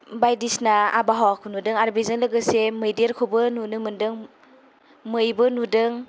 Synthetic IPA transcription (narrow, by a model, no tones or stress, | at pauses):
bajdisnaa̰baɦawakʰunudɯŋaɾbezɯnlɯɡɯsemɯjdieɾkʰobɯnunɯmɯndɯŋ | mɯjbɯnudɯŋ